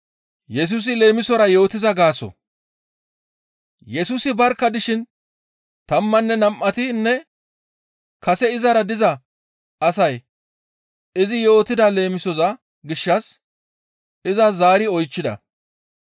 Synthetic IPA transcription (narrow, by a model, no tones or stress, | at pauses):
jɛs̬uːs̬ɪle̞ːmɪsɔɾɐjo̞ːt̪ɪzɐɡaːsɔ̰ | jɛsuːsɪbɐɾkːɐd̪ɪʃɪn | t̪ɐmːɐnːɛnɐmʔːɐt̪ɪnːɛ | kɐsɛɪzɐɾɐd̪ɪzɐ | ɐsɐj | ɪzɪjo̞ːt̪ɪd̪ɐle̞ːmɪsɔzɐ | ɡɪʃːɐs | ɪzɐzaːɾɪɔjt͡ʃːɪd̪ɐ̰